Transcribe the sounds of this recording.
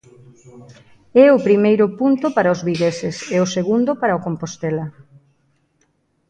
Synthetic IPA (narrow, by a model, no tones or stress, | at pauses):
ɛʊpɾimejɾʊpunt̪ʊpaɾaʊzβiɣesɪseʊseɣund̪ʊpaɾaokompost̪ɛla